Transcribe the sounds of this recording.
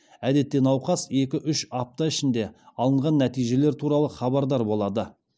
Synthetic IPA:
æd̪e̞t̪ːe̞nɑwqɑse̞kʲɪʔʏʃɑp̚t̪ɑɪʃɪnd̪e̞ɑlˠəɴʁɑnːæt̪ijʒe̞le̞ɾt̪ʰuɾɑlˠəχɑbɑɾd̪ɑɾbo̞lˠɑd̪ə

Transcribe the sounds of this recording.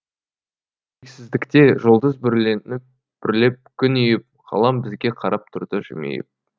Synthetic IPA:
eksɪzd̪ɪkt̪e̞ʒolˠd̪əzbɪɾlenɪp | b̥ɪɾle̞p̚kʲʰʏnʏjɪp̚ʁɑ̰lˠɑmbɪzɡʲe̞qʰɑɾʔɑp̚t̪ʰʊɾd̪əʒɪ̰mḛjɪ̰p̚

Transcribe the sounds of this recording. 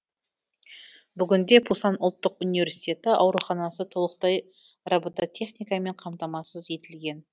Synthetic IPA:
bʏɡʲɪnd̪e̞pʰusɑnʊlˠt̪ːəqunivʲe̞ɾsi̥t̪ʲe̞t̪ɪʔɑ̰wɾuχɑnɑsət̪ʰolˠəq̚t̪ɑj | rabət̪ɑt̪ʲʰe̞χnijkɑme̞ɴqʰɑmt̪ɑmɑsəze̞t̪ɪlɡʲe̞n

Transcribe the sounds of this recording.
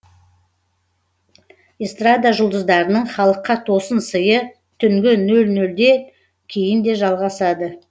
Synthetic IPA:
ist̪rad̪aʒʊlˠd̪əzd̪ɑɾənəɴχɑlˠəqːɑt̪ʰo̞sənsəjə | t̪ʰʏŋɡʲɪnɵlnɵld̪e̞ | kʲʰejɪnd̪e̞ʒɑlˠʁɑsɑd̪ə

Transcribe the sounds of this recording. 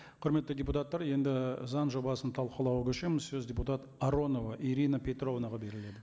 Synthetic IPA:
qʰʊɾme̞t̪ːɪdʲe̞put̪at̪ːɑɾje̞nd̪ɪzɑnʒo̞bɑsənt̪ʰɑlˠqəlˠɑwəkʲʰʏʃemɪzsɵzdʲe̞put̪ɑt̪aɾo̞no̞vɑʔiɾijnapʰʲe̞t̪ro̞vnɑʁɑbe̞ɾɪle̞d̪ɪ

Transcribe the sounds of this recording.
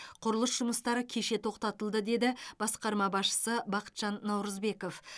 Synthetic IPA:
qʰʊɾəlˠəsʒʊməst̪ɑɾəkʲʰe̞ʃe̞t̪ʰo̞qt̪ɑt̪əlˠd̪əd̪e̞d̪ɪb̥ɑsqɑɾmɑbɑsʃə̥səbɑqə̥t̪ʒ̥ɑnːɑwɾəzbe̞ko̞f

